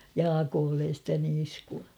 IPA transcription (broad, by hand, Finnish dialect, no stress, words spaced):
jɑːkoːlːen̞ stæ niːskuɑ